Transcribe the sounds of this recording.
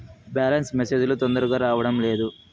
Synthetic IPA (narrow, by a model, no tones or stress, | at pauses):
baːlɐnsmese̞ːd͡ʒulut̪ond̪ɐɾuɡaːɾaːʋɐɽɐmle̞ːd̪u